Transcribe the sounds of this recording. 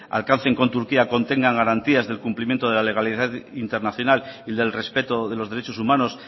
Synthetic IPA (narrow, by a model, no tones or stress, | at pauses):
a̰lkan̟θe̞ŋko̞nt̪uɾkiako̞nt̪e̞ŋɡaŋɡaɾant̪iazðe̞lkumplimjent̪oðeale̞ɣaliðaðint̪e̞ɾnaθjo̞naliðe̞lre̞spe̞t̪oðe̞lo̞zðe̞ɾet͡ʃo̞sumãno̞s